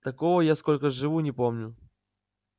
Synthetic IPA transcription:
t̪ɐko̞vəjasko̞lʲkəʐɨvunʲɪpo̞mnʲʊ

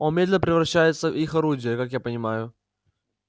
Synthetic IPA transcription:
onmʲedʲlʲɪnəpɾʲɪvɾɐɕːæjɪt̪səvixɐɾudʲɪjəkakjapənʲɪmajʊ

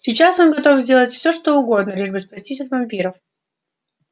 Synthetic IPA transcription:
sʲɪt͡ɕaso̞nɡɐt̪o̞fzʲdʲe̞lˠətʲfsʲoʂt̪oʊɡo̞d̪nəlʲiʐbəspɐsʲtʲis̬ʲɐt̪vɐmʲpʲiɾəf

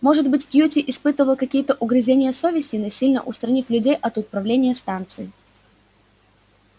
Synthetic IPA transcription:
mo̞ʐɨd̪bɨtʲkʲjutʲɪʔɪspɨt̪ɨvəlˠkɐkʲijət̪əʔʊɡɾʲɪzʲenʲɪjəsovʲɪsʲtʲɪnosʲilʲnə̰ʔʊst̪ɾɐnʲiflʲʉdʲejʔɐt̪ʊpɾɐvlʲenʲɪjəst̪ant̪sɨɪ

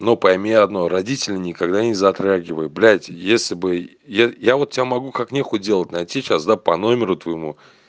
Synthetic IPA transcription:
nopɐjmʲeɐd̪noɾɐdʲitʲɪlʲɪnʲɪkaɡd̪anʲɪzɐt̪ɾaɡʲɪvəjʊblʲætʲjesʲlʲɪbɨ | jajavo̞t̪̚tʲːɪbʲamɐɡukaknʲexʊdʲe̞lˠətʲnɐjtʲit͡ɕasd̪apɐno̞mʲɪɾʊt̪vəjɪmu

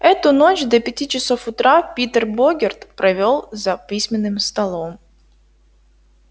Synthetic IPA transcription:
ɛt̪ʊno̞t͡ɕd̪ɐpʲɪtʲit͡ɕɪso̞fʊt̪ɾapʲit̪ərboɡʲɪrt̪pɾɐvʲo̞lˠzɐpʲisʲmʲɪnːɨmst̪ɐlˠo̞m

